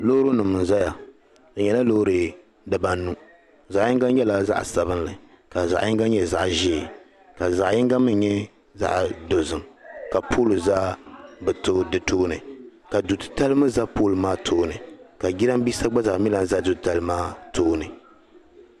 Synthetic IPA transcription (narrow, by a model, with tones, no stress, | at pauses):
lo˦ɾo˦nɨ˨mɨ˨n˨za˦ja˨ | ɲɛ˨la˦lo˦ɾɨ˨ | dɨ˨ba˦n˦nu˦ | za˨ʔji˦ŋɡa˦n˦ɲɛ˦la˦za̰˦ʔa˨sa˨βɨ˦n˦lɨ˨ | ka˨za˨ʔɪ˦ŋɡa˦ɲɛ˨za˨ʔʒɪː˦˨ | ka˨za˨ʔjɪ˦ŋɡa˦mɨ˦ɲɛ˦ | za̰˦ʔdo˨zɨ˨mka˨pʰoː˦lu˨za˦bɨ˨to˦dɨ˨toː˦nɨ˨ka˨du˨tɨ̥˨ta˦lɨ˦mɨ˦za˦po˦lɨ˨maː˦tʰoː˦nɨ˨ka˨ɡi˦ɾa˦m˦bi˦sa˦ɡ͡ba˦za˨ʔmi˦la˦n˦za˦du˨tta˨lɨ˦maː˦tʰoː˦nɨ˨